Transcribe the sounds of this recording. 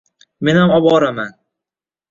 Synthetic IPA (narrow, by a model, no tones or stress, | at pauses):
menhamɒbɒɾaman